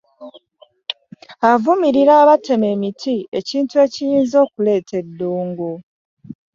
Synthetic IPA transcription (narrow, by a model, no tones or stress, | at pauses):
avumiɾiɾaːβate̞me̞ːmitʰieciːntue̞cijiːnzo̞ːkule̞ːtʰe̞dːuːŋɡu